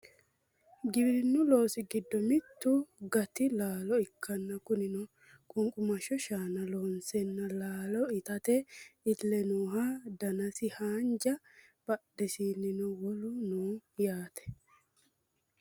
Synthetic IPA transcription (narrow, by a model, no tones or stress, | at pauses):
ɡɪbɾɪnːʊlo̞ːsɪɡɪd̪ːɔmɪt̪ːʊɡɐt̪ɪlaːlɔɪkʰːɐnːɐkʊnɪnʊ | kʼʊŋkʼʊmɐʃɔʃaːnɐloːnsɛnːɐlaːlɔɪt̪ɐt̪ɛɪlːɛnuːɦad̪ɐnɐsɪhaːnd͡ʒɐb̥ɐɗɛsiːnːɪnʊwɔlʊnuːjaːt̪ɛ̥